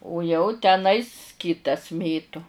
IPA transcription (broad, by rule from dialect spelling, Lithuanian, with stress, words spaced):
ʊ jɛʊ tʲɛˈnɐɪs ˈkʲɪtɐs ˈmʲeːtʊ